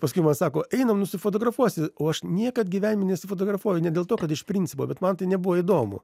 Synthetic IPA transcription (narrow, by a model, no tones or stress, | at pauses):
pɐskʊɪmɐnsɑːkoːʔɛɪnɐmnʊsʲɪfoːt̪oːɡɾɐfuɔsʲɪoːɐʃnʲiɛkɐt̪ɡʲiːʋʲænʲɪmʲɪnʲɛsʲɪfoːt̪oːɡrɐfuːjʊnʲɛdʲeːlˠt̪oːkɐt̪ɪʃpʲɾʲinʲt͡sʲsʲɪpo̰ːbʲɛt̪mɐnt̪ɐɪnʲɛbʊʋoːɪd̪oːmʊ̰